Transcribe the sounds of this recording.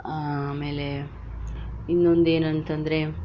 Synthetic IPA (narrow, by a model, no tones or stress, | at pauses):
aːme̞ːle̞ | inːo̞nd̪e̞ːnɐnt̪ɐnd̪ɾe̞